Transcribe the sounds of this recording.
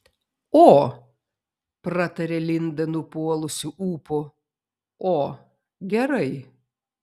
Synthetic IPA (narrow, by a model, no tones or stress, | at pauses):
oː | pɾɑt̪ɐɾʲeːlʲɪnd̪ɐnʊpuɔlˠʊsʲʊʔuːpʊ | oː | ɡʲɛɾɐɪ